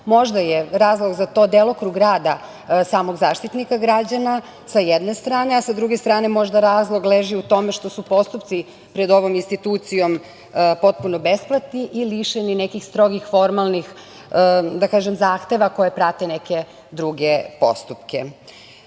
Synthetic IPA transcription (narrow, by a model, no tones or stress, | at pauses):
mo̞ʒd̪ajeɾaːzlˠoɡzat̪o̞d̪elˠokɾuɡɾaːd̪a | saːmo̞ɡzaːʃt̪it̪nikaɡɾad͡ʑana | sajed̪ne̞st̪ɾaːne̞asad̪ɾuɡest̪ɾaːne̞mo̞ʒd̪aɾaːzlˠo̞ɡleʒiut̪o̞me̞ʃt̪o̞supo̞st̪upt̪si | pɾed̪o̞ʋo̞minst̪it̪uːt̪sijo̞m | po̞t̪̚punobesplˠat̪niʔiliʃenine̞kixst̪ɾo̞ɡixfo̞ɾmalˠnix | d̪akaːʒemzaːxt̪e̞ʋako̞jepɾat̪e̞neke̞ | d̪ɾuɡepo̞̰st̪upkḛ